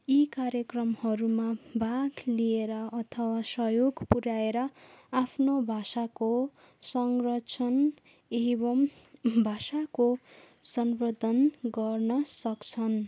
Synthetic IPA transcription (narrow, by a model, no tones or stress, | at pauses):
ikaɾjʌkrʌmhʌɾumabʱaɡlieɾʌʌt̪ʰʌwasʌjoɡpuɾaeɾʌapʰnobʱasako | sʌŋrʌt͡sʰʌn | ebʌm | bʱasako | sʌnrod̪ʱʌnɡʌrnʌsʌkt͡sʰʌn